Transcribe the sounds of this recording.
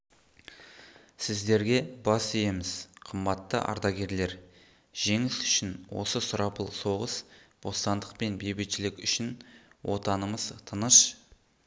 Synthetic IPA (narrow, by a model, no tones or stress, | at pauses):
sɪzd̪e̞ɾɡʲe̞bɑsejemɪz̥qʰəmbɑt̪ːə̰ʔɑ̰ɾd̪ɑɡʲe̞ɾle̞ɾ | ʒ̥e̞ŋɪsʏ̥ʃɪnwo̞̰səsʊɾɑpəlˠso̞ʁəsb̥ost̪ɑnd̪əqpe̞nbe̞jbet̪ʃɪlɪkʲʏʃɪnwʔo̞t̪ɑnəməzt̪ʰənəʃ